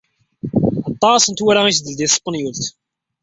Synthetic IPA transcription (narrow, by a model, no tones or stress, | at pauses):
ɑt̪ˤːɑsənt̪waɾaisd̪əld̪isˤə̥pːənjult̪